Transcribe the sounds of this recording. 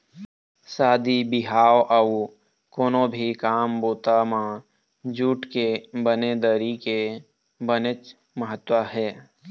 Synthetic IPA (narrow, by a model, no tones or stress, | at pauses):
saːd̪ibɪɦaːwʔəw | koːnõbʱikaːmboːt̪amã | d͡ʒuːʈkebəned̪əɾike | bənət͡ʃ | məɦət̪wəɦɛː